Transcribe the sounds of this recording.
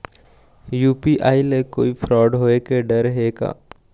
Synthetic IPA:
juːpiʔaːileko̰ːipʰɾɔːɖɦoːekeɖɐɾɦeːka̰ː

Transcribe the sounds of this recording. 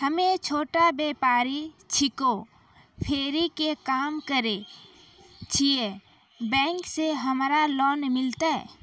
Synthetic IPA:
həmet͡ʃʰoːʈabeːpaːɾi | t͡ʃʰɪko | pʰeːɾikekaːmkəɾe | t͡ʃʰie | bɛ̃ːŋkseɦəmɾalɔːnmɪlt̪aɛ̰

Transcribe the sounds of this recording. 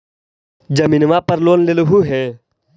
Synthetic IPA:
d͡ʒəmiːnʋaːpəɾloːnlelʊɦuːɦɛː

